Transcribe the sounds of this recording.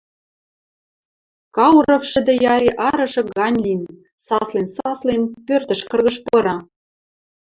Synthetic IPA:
kɑwɾɤ̆fʃɘ̆d̪ɘ̆jɑɾʲiʔɑɾɤ̆ʒɤ̆ɡɑnʲlin | sɑslensɑslenpørt̪ə̆ʃkɤ̆rɣɤ̆ʃpoɾɑ

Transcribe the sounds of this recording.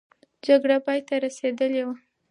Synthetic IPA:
d͡ʒaɡɽapɑjt̪aɾased̪əlewa

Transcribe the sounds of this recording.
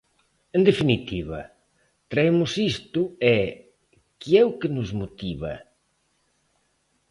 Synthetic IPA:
end̪efinit̪iβɐ̰ | t̪ɾaemʊsist̪ʊɛ | kiɛʊkɪnʊzmot̪iβɐ̰

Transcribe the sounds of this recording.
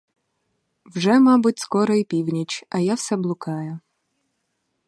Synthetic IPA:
wʒɛmɑbʊtʲskɔɾɔipʲiwnʲit͡ʃɐjawsɛblˠʊkɑjʊ

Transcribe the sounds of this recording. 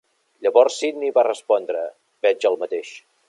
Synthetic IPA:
ʎəβɔɾsːid̪niβarəspɔnd̪ɾə | bɛd͡ʒəlˠmət̪eʃ

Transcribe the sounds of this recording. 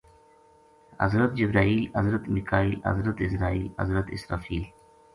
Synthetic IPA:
ɐ̰zɾət̪d͡ʑɪbɾaːiːlɐzɾət̪mikʰaːiːlɐ̰zɾət̪ɪsɾaːiːlɐ̰zɾət̪ɪ̰sɾaːfiːl

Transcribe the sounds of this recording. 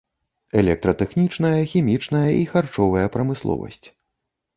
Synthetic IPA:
ɛlʲɛk̚t̪ɾɐt̪ɛxnʲit͡ʂnɐjɐxʲimʲit͡ʂnɐjɐʔixart͡ʂɔvɐjɐpɾɐmɨslˠɔ̰vɐ̰sʲt͡sʲ

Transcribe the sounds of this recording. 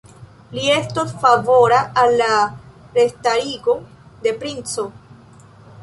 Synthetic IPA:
lie̞stosfavo̞ɾaːlːa | ɾestaɾiɡo̞ | de̞pɾint͡so̞

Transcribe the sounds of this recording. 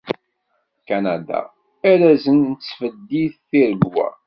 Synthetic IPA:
kænæd̪a̰ | æɾæzənnət͡sːfəd̪ːiθθiɾəɡwæ̰

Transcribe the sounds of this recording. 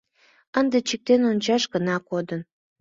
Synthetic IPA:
ənd̪et͡ɕik̚t̪enonʲt͡ɕɑʃɡənɑkod̪ən

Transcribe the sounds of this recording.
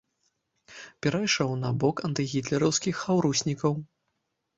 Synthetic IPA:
pʲɛɾajʂɔwnɐbɔkɐnt̪ɨɣʲit̪lʲɛɾɐwskʲixːawɾusʲnʲikɐw

